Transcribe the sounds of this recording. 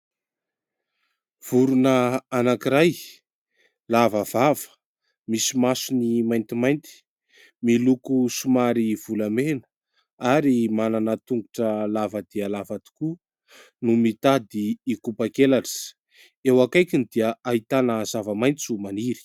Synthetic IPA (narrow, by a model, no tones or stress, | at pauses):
v̥uɾunəanakiɾaj | lavəvavə̥ | misimasunimajnt̪imajnt̪i̥ | milukusumaɾiv̥ulamenə̥ | aɾimananət̪uŋɡuʈ͡ʂəlavəd̪̥iəlavat̪i̥ku | numit̪ad̪iːkupakelaʈ͡ʂə̥ | ewakajkind̪iəaɦit̪anəzavəmajnt͡sumaniɾi̥